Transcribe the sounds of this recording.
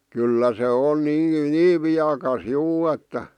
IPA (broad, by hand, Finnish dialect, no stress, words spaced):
kylːæ se on niː niːʋ ʋiɑkɑs juː etːæ